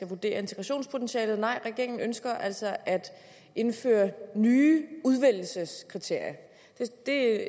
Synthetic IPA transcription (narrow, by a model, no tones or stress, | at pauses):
æʋud̥e̝̰ːɐe̝nt͡sʰe̝ɡʁɑɕo̝̰ːnspʰo̝t͡sʰenɕɛ̰ːlð̞̩ˠnɑ̈ɪ̰ʁɛɡ̥e̝ɐ̰eŋn̩ønsɡ̥ɐʔæl̰sɒʔæd̥ | e̝nfø̰ːɐnyːuð̞ˠʋel̰l̩səskʰʁit͡sʰe̝ɐ̰jɐ | d̥e̝d̥e̝